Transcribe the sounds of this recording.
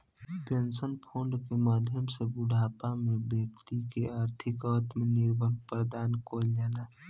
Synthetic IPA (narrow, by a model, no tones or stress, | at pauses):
pensənpʰõːɳɖkemaːd̪ʱjəmsebʊɖʱaːpamẽbjəkt̪ikeaːɾt̪ʰɪkɔːt̪mẽnɪɾbʱənpɾəd̪aːnkoːld͡ʒaːlaː